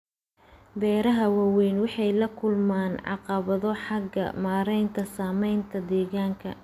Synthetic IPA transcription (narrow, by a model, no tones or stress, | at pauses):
bɛːɾɐɦɐwawɛjnwɑħɑjlɐkʰʊlmaːnʕɑ̰qɑβɐðɔħɑɡɐ̰maːɾɛjnt̪ʰɐsaːmɛjnt̪ʰɐd̪ɛːɣaːŋkʰɐ̰